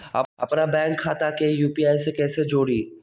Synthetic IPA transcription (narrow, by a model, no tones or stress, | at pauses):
ɐ̰ɐ̰pnabɛ̃ːŋkʰːaːt̪akejuːpiaːjsekɛːsed͡ʒoːɽiː